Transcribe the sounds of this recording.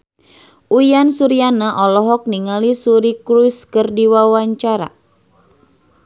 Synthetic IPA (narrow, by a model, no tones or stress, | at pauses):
ʔujansuɾianaʔɔlɔɦɔk̚niŋalisuɾikɾuskərdiwawaɲt͡ʃaɾa̰